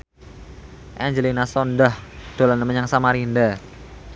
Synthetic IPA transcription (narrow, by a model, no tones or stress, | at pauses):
ʔand͡ʒəlinasɔndahd̪̥olanəməɲaŋsamaɾinda